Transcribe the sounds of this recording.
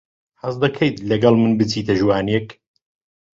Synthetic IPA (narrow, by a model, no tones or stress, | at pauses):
ħɐzd̪ɐkʰɐjd̪lɐɡɐlˠmɨnbɨt͡sʰiːt̪ʰɐʒwaːnijɛk